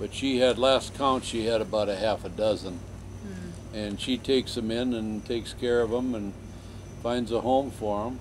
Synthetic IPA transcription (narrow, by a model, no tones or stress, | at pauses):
b̥ʌtʃiɨdˡlæskʰãʊ̃ntʃiɨɾɨbaʊɾɨhæfɨdʌzə̃n | ɨ̃nʃitʰeɪksɨ̃mɪ̃nɨ̃ntʰeɪkskʰɛɹʌvə̃mə̃n | fãɪ̃ndzəhõʊ̃ɱfə˞ə̃m